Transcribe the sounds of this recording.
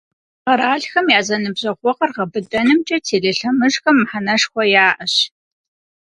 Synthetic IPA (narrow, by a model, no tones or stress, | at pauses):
qɐɾaːɬxɐmjaːzɐnɨbʑɐʁʷɔqɐrʁɐbɨdʼɐnɨmt͡ʃʼɐtʰeːɮɪɬɐmɨʒxɐmːħanɐʂxʷɔjaːʔɐɕ